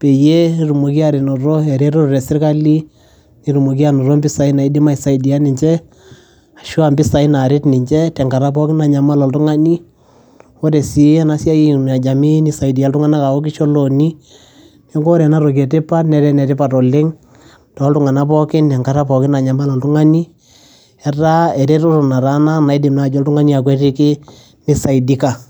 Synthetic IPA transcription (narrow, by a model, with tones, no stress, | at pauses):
pe˨je˦i˦ɾu˨mo˨ki˦a˦ɾɪ˨nɔ˨ɾɔ˦ɛ˨ɾɛ˦ɾo˦ɾrɛ˨sɪ˦rka˦li˦ | ni˨˦ɾu˨mo˨k̬i˦a˨nɔ˨ɾɔ˦mbɪ˦sa˨i˦na˨ɪ˦dɪ˦ma˦ɪ˨sa˨idi˨a˦nɪ˨ɲt͡ʃɛ˦ | a˨ʃu˦a˨mbɪ˦sa˨ɪ˦na˨ɾɪ˦tnɪ˨ɲt͡ʃɛ˦tɛ˨ŋɡa˨ɾa˦pɔ˦kɪ˦na˨ɲa˨ma˦lɔ˨ltʊ˦ŋa˦ni˦ | wo˦tɛ˨si˨˦na˦sa˦˨n˨a˨d͡ʒa˨mi˦ni˦˨sa˨i˨di˨ja˦ltʊ˦ŋa˦na˦ka˨ɔ˦k̬ɪ˦ʃɔ˦lo˨ni˦ | nɛ˦ŋɡɔ˦ɾɛ˨na˦ɾo˨k̬ɛ˨tɪ˦pa˦tnɛ˨˦ɾɛ˦nɛ˨tɪ˦pa˨tɔ˨lɪ˦ŋ | tɔ˨˦ltʊ˦ŋa˨na˦pɔ˦kɪ˦nɛ˨ŋka˨ɾa˦pɔ˨kɪ˦na˨ɲa˨ma˦lɔ˨ltʊ˦ŋa˦ni˦ | ɛ˦ta˦ɛ˨ɾɛ˦ɾɔ˦ɾʊ˨na˨ɾa˦na˦na˨ɪ˦dɪ˨mna˨d͡ʒɔ˦ltʊ˦ŋa˦ni˦a˨k̬wɛ˦ɾɪ˦kɪ˦ | nɪ˨sa˨ɪdi˦ka˨